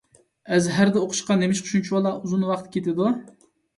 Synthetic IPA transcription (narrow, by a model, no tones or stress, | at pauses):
ɛzɦæɾd̪ɛoqʰʊ̥ʃqɑnemɪʃqʰʊ̥ʃunt͡ʃʰiwɑlˠɑʔuzunwɑqt̪ʰkʲʰet̪ɪd̪u